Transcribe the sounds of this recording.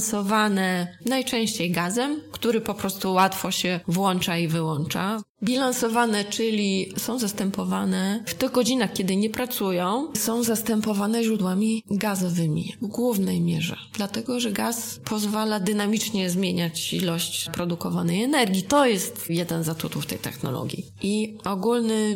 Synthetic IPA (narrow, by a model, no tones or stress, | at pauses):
sɔvanɛnajt͡ʂɛ̃w̃ɕt͡ɕejɡazɛmkt̪uɾɘpɔpɾɔst̪uwat̪fɔɕɛvwɔnt͡ʂaivɘwɔnt͡ʂa̰ | bʲilansɔvanɛt͡ʂɘlʲisɔ̃w̃zast̪ɛmpɔvanɛft̪ɘɣɡɔd͡ʑinaxkʲɛd̪ɘɲɛpɾat̪sujɔ̃w̃sɔ̃w̃zast̪ɛmpɔvanɛʑɾud̪wamʲiɡazɔvɘmʲḭvɡwuvnɛjmʲjɛʐɛ̰d̪̥lat̪ɛɡɔʐɛɡaspʰɔzvalad̪ɘnamʲit͡ʂɲɛzmʲjeɲat͡ɕḭlɔɕt͡ɕpɾɔd̪ukɔvanɛjɛnɛɾɡʲit̪ɔjɛst̪jɛd̪ɛnzat̪ut̪uft̪ɛ̰jt̪ɛ̰xnɔ̰lɔ̰ɡʲjḭʔiɔɡulnɘ